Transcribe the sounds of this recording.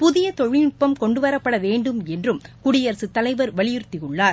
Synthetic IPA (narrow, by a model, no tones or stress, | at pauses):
pʊðɪjɐt̪ɔɻɪnʊpːɐmkɔɳɖɯʋɐɾɐpːɐɽɐʋeːɳɖɯmɛndrɯmkʊɽɪjɐɾsɯt̪ːɐlɐɪʋɐɾʋɐɭɪjɪɾt̪ːɪjɯɭːaːɾ